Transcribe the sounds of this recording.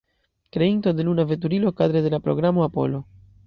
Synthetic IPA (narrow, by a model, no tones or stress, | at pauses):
kɾe̞into̞de̞lunave̞t̬uɾilo̞kadɾedelapɾo̞̰ɡɾamo̞apo̞̰lo̞